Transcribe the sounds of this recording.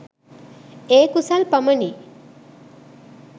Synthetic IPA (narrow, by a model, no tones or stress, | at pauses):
eːkusalpɐməni